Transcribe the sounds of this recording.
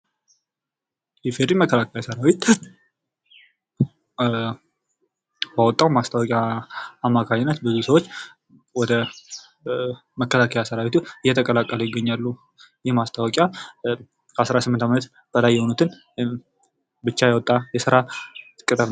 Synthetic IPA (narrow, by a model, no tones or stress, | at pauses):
jɛfeɾiməkʰːəlakʰəjasəɾawit̪ | bawɔt̪ʼːawmast̪ʰawɔkʼjaːmːakʰaɲɪnːət̪bɨzusəwot͡ʃː | wɔd̪ə | məkʰːəlakʰəjasəɾawit̪ʰuɨjːɛt̪ʰəkʼəlakʼːəlujɪɡːəɲːalːu | jɛmast̪ʰawɔkʼja | kʰəasɾasɨmːɨnt̪ʰamnət̪ | b̥əlajːɛho̞nut̪ʰɨn | bɨt͡ʃːajawɔt̪ʼːajɛsɨɾaɨkʼɨt̪ʼəɾ